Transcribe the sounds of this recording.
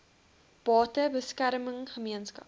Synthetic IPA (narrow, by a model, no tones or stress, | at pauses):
b̥ɑːtəbəskæɾməŋχəmiənskɐ̰p